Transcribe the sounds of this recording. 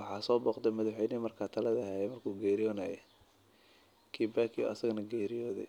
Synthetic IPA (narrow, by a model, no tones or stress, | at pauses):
wɑħɑːsɔːbɔːqt̪ɛmɐðʊħɛjnimɐrkʰaːt̪ʰɐlɐðɐɦɛːjɛmɐrkʰuːɡɛːɾɪjɔːnaːjɛ | kʰiːbaːkʰḭʔɐ̰sɐɣnɐɡɛːɾɪjɔːðɛ̰